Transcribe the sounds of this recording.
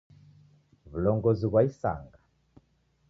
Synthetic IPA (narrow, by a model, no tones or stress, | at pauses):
βulɔŋɡɔziβwaisa̰ŋɡa